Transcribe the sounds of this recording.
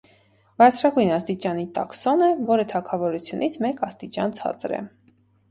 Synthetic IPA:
vɑɾt͡sʰɾɑɡujnɑst̪it͡ʃɑnit̪ɑ̰ksɔnəvɔɾət̪ʰɑkʰɑvɔɾut͡sʰjunʔit͡sʰmɛkɑst̪it͡ʃɑnt͡sʰɑ̰t͡sɾɛ̰

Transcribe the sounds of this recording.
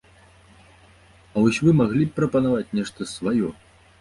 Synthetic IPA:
ɐvɔsʲvɨmaɣlʲippːɾɐpɐnavat͡sʲnʲɛʂt̪ɐsvajɔ

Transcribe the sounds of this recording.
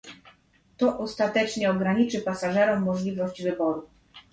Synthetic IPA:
t̪ɔʔɔst̪at̪ɛt͡ʂɲɛɔɡɾaɲit͡ʂɘpasaʐɛɾɔmːɔʐlʲivɔɕd͡ʑvɘbɔɾu

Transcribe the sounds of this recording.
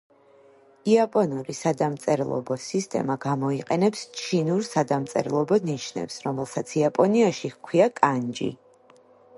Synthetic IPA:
iapʼɔnɔɾisad̪amt̪sʼɛɾlˠɔ̰bɔsist̪ʼɛ̰maɡamɔiqʼɛnɛpst͡ʃʰinuɾsad̪amt̪sʼɛ̰ɾlˠɔbɔniʃnɛ̰psɾɔmɛlˠsat̪sʰiapʼɔniaʃikʰwiakʼand͡ʒḭ

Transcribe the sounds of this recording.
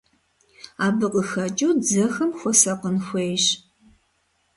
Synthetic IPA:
aːbɨqʼəxɐt͡ʃʼuːd͡zɐxɐmxʷɔsɐqənxʷeːjɕ

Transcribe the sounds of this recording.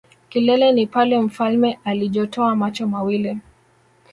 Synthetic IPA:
kilɛlɛnipalɛm̩falmɛʔaliʄɔtʰɔamat͡ʃɔmawili

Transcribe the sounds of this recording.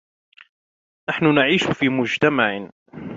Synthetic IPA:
naħnʊnaʕiːʃʊfiːmʊd͡ʒt̪amaʕɪ

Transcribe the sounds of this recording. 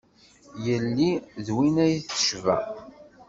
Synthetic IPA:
jəlːiðwinæjθə̥ʃvæ̰

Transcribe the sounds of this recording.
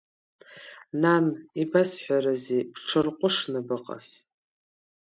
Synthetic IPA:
nanibasħʷᶣaɾazebʈ͡ʂʰɨrqʷʼʊʂnɨbɨqʼa̰s

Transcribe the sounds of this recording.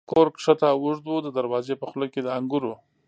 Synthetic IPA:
koɾkʂat̪awʊʐd̪wod̪əd̪əɾwɑzepəxʊləked̪əaŋɡuɾo

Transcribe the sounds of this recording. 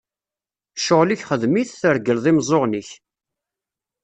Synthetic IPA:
ʃoʁliçχəðmiθθəɾɡəlðˤimzˤoʁniç

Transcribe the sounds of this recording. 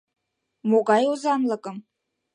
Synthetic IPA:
moɡɑjozɑnlˠɤ̆kɤ̆m

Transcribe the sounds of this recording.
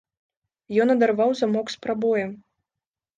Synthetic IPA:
jɔnɐd̪arvawzamɔkspɾabɔjɛm

